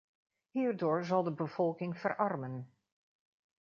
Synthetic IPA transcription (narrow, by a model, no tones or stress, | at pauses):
ɦiːɹdoːɹzɑlˠdəbəv̥ɔlˠkɪŋv̥ərʔɑrmən